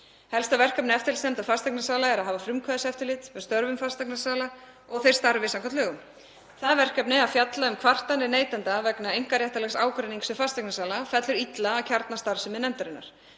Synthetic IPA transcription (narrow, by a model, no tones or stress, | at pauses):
hɛlst̪avɛr̥kapnɪɛft̪ɪlsnɛmt̪afast̪ɛknasaːlaɛɾaðɦaːvafɾʏmkʰaðsɛft̪ʏlɪːt̪mɛðst̪œɾvʏmfarst̪ɛknasaːla | ɔɣθer̥st̪aɾvɪsaŋkʰat̪lœːɣʏm | θaðvɛr̥kapnɪaðfjat̪laʏmkʰvar̥t̪anːɪneːjt̪ant̪avɛknaejŋ̥kaɾjɛht̪alɛxsaːwkɾɛniŋksʏfast̪ɛknasaːlafɛt̪lʏɾit̪laːcʰaɾt̪nast̪aɾsɪmɛðnɛmt̪aɾɪnːa̰ɾ̥